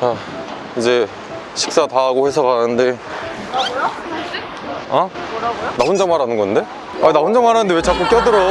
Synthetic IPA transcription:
t͡ɕa | id͡ʑe̞ | ɕʰi̥k̚s͈ataɦaɡoɸe̞sʰʌkanɯnde̞ | a | naund͡ʑamaɾanɯnɡʌnde̞ | ainapund͡ʑamaɾanɯndewet͡ɕʰak͈umk͈jʌdɯɾʌ

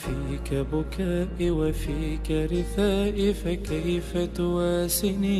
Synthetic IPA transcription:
fiːkabʊkaːʔɪwafiːkaɾɪθaːʔɪfakajfat̪ʊwaːsɪni

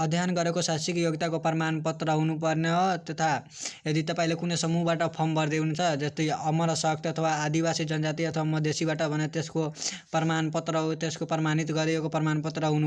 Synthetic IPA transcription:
ʌd̪ʱjanɡʌɾekosasikjoɡt̪akoprmanpʌt̪rʌɦunupʌrnet̪et̪ʰa | ed̪it̪ʌpaĩlekunesʌmuɦbaʈʌpʰʌmbʌɾd̪eɦunt͡sʰʌd͡zʌst̪ʌjʌmʌɾʌsʌkt̪ʰʌt̪ʰʌwaːd̪ibasid͡zʌnd͡zat̪iʌt̪ʰʌwamʌd̪esibaʈʌbʱʌnet̪eskoprʌmanpʌt̪rʌt̪eskoprʌmanit̪ɡʌɾeekoprʌmanpʌt̪rʌɦunu

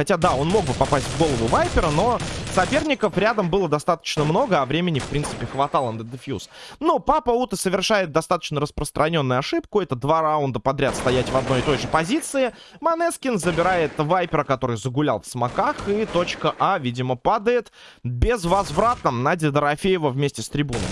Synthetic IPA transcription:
xɐtʲad̪ao̞nmo̞ɡ̚bɨpɐpasʲtʲvɡo̞lˠəvʊvajpʲɪɾəno̞sɐpʲe̞rnʲɪkəfɾʲad̪əmbɨlˠəd̪ɐst̪at̪ə̥t͡ɕnəmno̞ɡəɐvɾʲemʲɪnʲɪfpɾʲint̪sɨ̥pʲɪxvɐt̪alˠənd̪əd̪ɨfʲjṵsnopapəut̪əsəvʲɪrʂajɪt̪̚d̪ɐst̪at̪ə̥t͡ɕnəɾəspɾəst̪ɾʔɐnʲo̞nːʊjʊɐʂɨpkʊɛt̪əd̪vaɾaʊnd̪əpɐd̪ɾʲat̪st̪ɐjætʲvɐd̪no̞jɪt̪o̞jʐɨpɐzʲit̪sɨɪ | mɐnɛskʲɪnzəbʲɪɾajɪt̪vajpʲɪɾəkɐt̪o̞ɾɨjzəɡʊlʲa̰lˠfsmɐkaxit̪o̞t͡ɕkəʔavʲidʲɪməpad̪əjɪt̪ | bʲɪzvɐzvrat̪̚nəmnadʲɪd̪əɾɐfʲejɪvəvmʲesʲtʲɪst̪ɾʲɪbunə̰m

